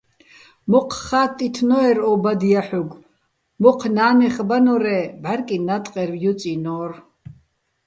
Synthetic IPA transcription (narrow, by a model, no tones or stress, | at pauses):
mɔqʰχaːt̪ʼːit̪ʰnɔɛɾɔbad̪ijaħuɡ | mɔqʰnaːnɛχbanɔɾɛbaɾkʼinat̪ʼqʼɛɾvjut͡sʼinɔːr